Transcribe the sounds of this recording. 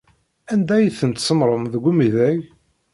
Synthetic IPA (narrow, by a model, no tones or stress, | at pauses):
ænd̪æjiθənt̪səmɾˤəmðəɡʷumiðæʝ